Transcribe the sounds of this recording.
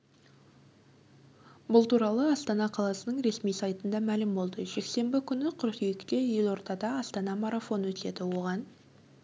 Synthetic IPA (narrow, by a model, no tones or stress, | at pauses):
bʊlˠt̪uɾɑlˠəɑst̪ɑnɑqʰɑlˠɑsənəɴɾe̞smijsɑjt̪ənd̪ɑmælɪmbo̞lˠd̪əʒe̞kse̞mbɪkʲʰʏnɪqʰʊɾq̪ijɪkt̪e̞je̞lˠo̞ɾt̪ɑd̪ɑːst̪ɑnɑmɑɾafo̞nwɵt̪e̞d̪ɪwo̞ʁɑn